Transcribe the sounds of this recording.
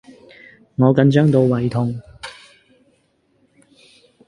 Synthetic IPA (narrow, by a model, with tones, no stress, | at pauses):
ŋɔː˨˧kɐ˨˧nt͡ʃœː˥ŋt̪o˨˧wːɐ˨˩jt̪ʰʊ˨˧ŋ